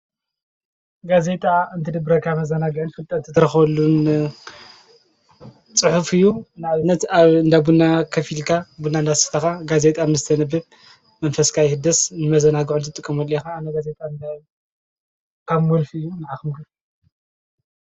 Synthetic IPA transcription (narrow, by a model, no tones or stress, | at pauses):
ɡaze̞t̪ʼaɨnt̪ʰɨd̪ɨbɾɐkʰamɐzɐnaɡɨʕɨnfɨlt̪ʼɐt̪ʰːɨt̪ʰɨɾɐxɐlːun | t͡sʼɨħufɨjːunaʕβɨnːɐt̪aβɨnd̪abunːakʰɐfilkʰabunːaɨnd̪asɨ̥t̪ʰɐxaɡaze̞t̪ʼamnɨzɨt̪ʰɐnɐbɨb | mɐnfɐskʰajhɨd̪ɐsnɨmɐzɐnaɡɨʕunt̪ʰɨt̪ʼɨkʼːɐmɐljexaːmnːɐɡaze̞t̪ʼand̪a | kʰaβmolfɨjːunɐʕaxmɡɨɾ